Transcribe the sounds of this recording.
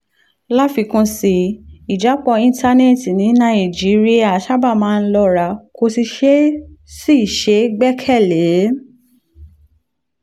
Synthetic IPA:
la˦fi˧˦kũ˧si˧i˨d͡ʒa˨˦k͡pɔ˧ĩ˦˧n˦ta˧ne˦˨ti˨nĩ˨˦nã˦i˨d͡ʒi˨˦ɾi˦a˦˨ʃa˦ba˦˨mãː˦˧n̩˦lɔ˧ɾa˧˦ko˧si˧ʃe˦si˦i˨ʃe˨˦ɡ͡bɛ˦kʰɛ˦˨le˨˦

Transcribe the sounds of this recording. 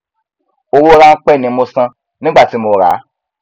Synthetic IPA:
o˧wo˦ɾa˦˧n̩˦k͡pɛ˦˨nĩ˨˦mo˧sã˧ | nĩ˦ɡ͡ba˦˨ti˨˦mo˧ɾa̰˨˦

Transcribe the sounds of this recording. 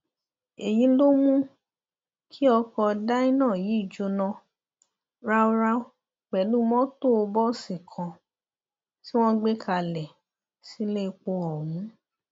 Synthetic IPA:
e˨jĩ˨˦lo˦mũ˦ | kʰi˦ɔ˧kɔ˧da˦ĩ˦nãː˦˨ji˨˦i˦˨d͡ʒo˧nɔ̃˧ | ɾa˦o˦ɾa˦o˦ | k͡pɛ˨lu˦mɔ̃˦to˦o˧bɔ˦sĩ˨kʰã˨ | ti˦w̃ɔ̃˦ɡ͡be˦kʰa˧˨lɛ˨ | si˨˦le˦˧k͡po˧ɔ˨wũ˨˦

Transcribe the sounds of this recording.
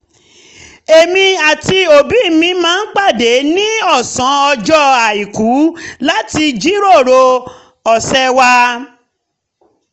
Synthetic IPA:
e˨mĩ˧a˨ti˧o˨bi˨˦˨mĩ˧mãː˦n̩˦k͡pa˦˨de˨˦nĩ˦ɔ˦˨sɔ̃˨˦ɔ˧d͡ʒɔ˦a˨i˨ku˨˦la˦ti˧d͡ʒi˦ɾo˦˨ɾo˧ | ɔ˨sɛ˦˧wa˧

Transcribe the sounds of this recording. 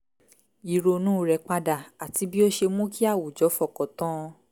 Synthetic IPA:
i˨ɾo˧nũ˦˨ɾɛ˧k͡pa˧da˨a˨ti˧bi˦o˦ʃe˧mũ˦ki˦a˦˨wu˨d͡ʒɔ˨˦fɔ˦˨kɔ˨tɔ̃˦˧

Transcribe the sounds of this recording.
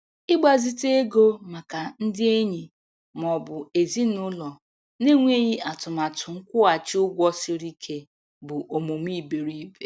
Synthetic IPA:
ɪ˦ɡ͡ba˨zi˦te˦e˦ɡo˦ma˨ka˨n̩˦dɪ˦e˦ɲi˨ | m˨ɔ˨bʊ˨e˨zi˦nʊ˦lɔ˨ | ne˦ŋʷe˦ɲi˦a˨tʊ˨ma˨tʰʊ˨ŋ̩˦kʷʊ˦a˨t͡ʃɪ˦ʊ˦ɡʷɔ˦si˦ɾi˦kʰe˦ | bʊ˨ʔo˨mo˨m˦i˦˨be˨ɾi˦be˨

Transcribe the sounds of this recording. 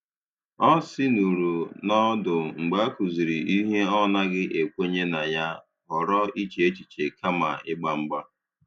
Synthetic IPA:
ɔ˦sɪ˦nu˨ɾu˨nɔ˦dʊ˨ŋ͡m̩˨ɡ͡ba˨˦ku˨zi˨ɾi˨ʔi˦ɦe˦ɔ˦na˦ɡɪ˦ʔe˨kʷe˦ɲe˦na˨ja˦ | ɦɔ˨ɾɔ˦i˦t͡ʃe˨e˦t͡ʃi˨t͡ʃe˨ka˦ma̰˨ɪ˦ɡ͡ba˦ŋ͡m̩˦ɡ͡ba˦

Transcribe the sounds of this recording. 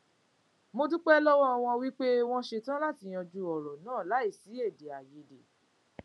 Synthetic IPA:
mo˧dũ˦k͡pɛ˦lɔ˦wɔ˦˧w̃ɔ̃˧wi˦k͡pe˦w̃ɔ̃˧ʃe˧tã˦la˦˨ti˨˧˨j̃ɔ̃˧d͡ʒu˧˦ɔ˨ɾɔ˨nãː˦˨la˨˦i˦˨si˨˦e˦˨de˨a˨je˨de˨

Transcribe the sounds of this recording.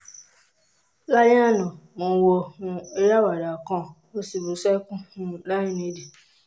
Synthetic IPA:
la˦jĩ˦a˦˨nɔ̃˨mõ˨˧wo˧hũ˧e˧ɾa˦wa˨ɾa˨kɔ̃˦ | o˦si˨bu˨sɛ˦kũ˦hũ˧la˦jĩ˦nĩ˧˦de˨

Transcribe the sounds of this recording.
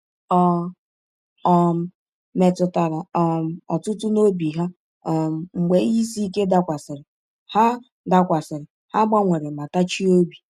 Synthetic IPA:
ɔ˦ | ɔ˦m̩˦ | me˨tʊ˨ta˨ɾa˨ɔ˦˨˦ɔ˨tʊ˦tʊ˦no˦bi˨ɦa˦ | ɔ˦m̩˨ŋ͡m̩˨ɡ͡be˨˦i˦si˦ke˦da˦kʷa˨sɪ˨ɾɪ˨ | ha˦ | da˦kʷa˨sɪ˨ɾɪ˨ | ha˦ɡ͡ba˦ŋʷe˨ɾe˨ma˨ta˦t͡ʃi˦o˦bi˨

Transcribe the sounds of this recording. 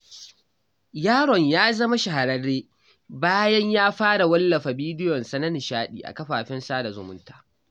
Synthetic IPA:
jaː˦ɽɔ˨ɲjaː˦zɐ˦ma˦ʃa˨ɦa˨ɾɐ˦rːeː˦ | baː˦jɐ˦ɲjaː˦ɸaː˦ɽa˨wɐ˦lːɐ˨ɸa˨biː˦dɪ˦jɔ˨nsɐ˦nɐ˦nɪ˨ʃaː˦ɗḭː˨ʔa̰˨kɐ˦ɸaː˨ɸɪ˦nsaː˦da˨zʊ̰˨mʊ̰˦ntaː˨

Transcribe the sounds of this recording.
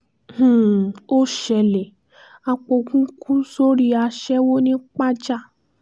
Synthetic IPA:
h̩˨o˦ʃɛ˧˨lɛ˨ | a˧k͡po˧kũ˦kũ˦so˦ɾi˦a˧ʃɛ˦wo˦nĩ˦k͡pa˦d͡ʒa˦˨

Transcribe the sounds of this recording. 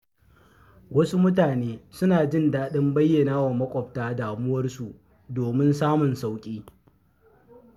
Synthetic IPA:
wɐ˦su˦mʊ˦taː˨neː˦sʊ˦naː˨d͡ʒɪ˦ndaː˦ɗɪ˦mbɐ˦jːɐ˨naː˦wa˨mɐ˦kʷʼɔ˨ptaː˦daː˨mʊ˦wɐ˦rsu˨ʔ | doː˨mɪ˦ns̬aː˦mʊ˨nsa˦wkʲʼiː˦

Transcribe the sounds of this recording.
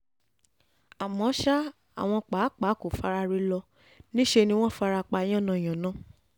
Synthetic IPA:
a˨mɔ̃˨˦ʃa˦ | a̰˨w̃ɔ̃˧k͡pa˨˦k͡pa˨˦ko˨fa˧ɾa˧ɾi˧lɔ˧ | nĩ˦ʃe˧nĩ˧w̃ɔ̃˦˨fa˧ɾa˧k͡pa˧˦j̃ɔ̃˦˨nã˧˨j̃ã˨nã˦

